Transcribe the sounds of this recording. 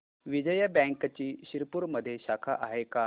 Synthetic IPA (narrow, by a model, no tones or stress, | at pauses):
ʋid͡ʑəjəbɛ̃ŋkt͡ɕiːɕiɾpuɾməd̪ʱːjeɕakʰaʔaɦeka